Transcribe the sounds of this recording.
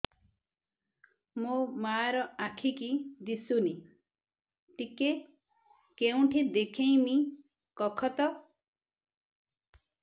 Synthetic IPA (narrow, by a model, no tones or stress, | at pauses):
momaːɾɔakʰikid̪isuni | ʈike | keũʈʰid̪ekʰẽĩmi | kɔkʰɔt̪ɔ